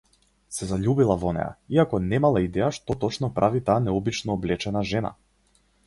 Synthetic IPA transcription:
sɛzaʎubilˠavɔnɛ̰ja̰iakɔnɛmalˠaid̪ɛjaʃt̪ɔt̪ɔt͡ʃnɔpɾʔavit̪aːnɛɔbit͡ʃnɔːblɛt͡ʃɛnaʒɛna̰

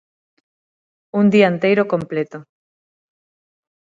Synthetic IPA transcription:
und̪iaent̪ejɾokomplet̪o

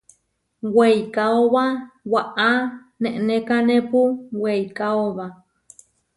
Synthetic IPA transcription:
wejkaoβawaʔa | nẽʔnẽkanẽpuwejkaoβa

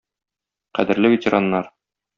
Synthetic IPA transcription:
qæ̰d̪ɘ̆ɾlɘvʲet̪ʲeɾɑnːɑɾ

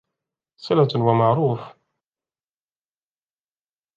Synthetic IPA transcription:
sɪlat̪wamaʕɾuːf

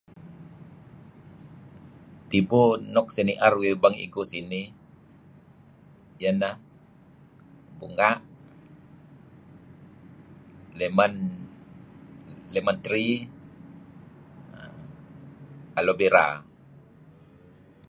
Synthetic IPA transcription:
t̪ibunɔk̚seniʔarwibaŋḭɡusini | jana | buŋaʔ | leman | lemant̪ɾi | kalobeɾa̰

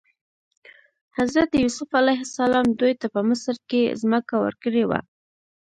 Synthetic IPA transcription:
hazɾat̪jusʊfalajɦɪsalɑmd̪ujt̪apəmɪsɾkezməkawə̰ɾkəɽewa̰

